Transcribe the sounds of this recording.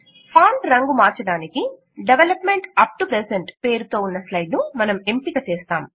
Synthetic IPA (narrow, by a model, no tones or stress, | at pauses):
pʰaːɳʈɾɐŋɡumaːɾt͡ʃɐɽaːniki | ɖeʋelɐpmeɳʈɐp̚ʈupɾeseɳʈpe̞ːɾut̪o̞ːunːɐslɐjɖnumɐnɐmempiɡat͡ʃeːst̪aːm